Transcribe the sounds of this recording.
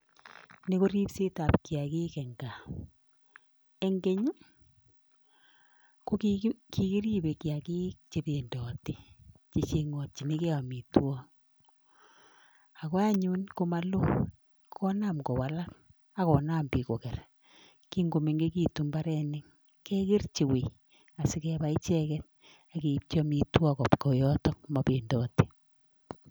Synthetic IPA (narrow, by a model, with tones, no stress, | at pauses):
ne˦ko˦ɾi˦pse˦ta˨pkja˨ki˦kɛ˨ŋɡa˨ | e˨ŋɡe˨ɲ˦ | ko˦kki˨ki˦ɾi˦be˨kja˨ki˦kt͡ʃe˨be˨ndɔ˨ti˨t͡ʃi˨t͡ʃe˨ŋɔ˨t̚t͡ʃi˨me˦ke˦a˨mi˨twɔ˦ŋ | a˨kɔ˦a˦ɲu˦nko˦ma˦lo˦ | kʰɔ˦naː˦mkɔ˨wa˨la˦t̚ | a˦kɔ˨naː˦mbi˨kɔ˨kɛ˨r | ki˦ŋɡo˨me˨ŋɡe˦ki˦tu˨mbaɾɛ˦nɪ˦ŋ | kɛ˦kɪ˦rt͡ʃe˨we˨ | a˨sɪ˦kɛ˦ba˨i˦t͡ʃɛ˦kɛ˦t̚ | a˨ke˨p̚t͡ʃɔ˦mi˨twɔ˦kɔ˨pkɔ˨jɔ˦tɔ˦ma˨pe˨ndɔ˨ti̥˨